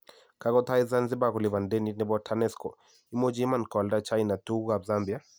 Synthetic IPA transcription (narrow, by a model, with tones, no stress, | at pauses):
ka˦kɔ˦t̪a˦i˦za˦nzɪ˦ba˦kɔ˨lɪ˨ba˨nde˦ni˦nɛ˦bɔ˦tʰa˦nɛ˦skɔ̰˨ | i˦mo˦d͡ʒi˦ma˦˨nkɔ˨lda˦t͡ʃa˦jna˨tu˦ɡa˨bza˦mbi˨a˦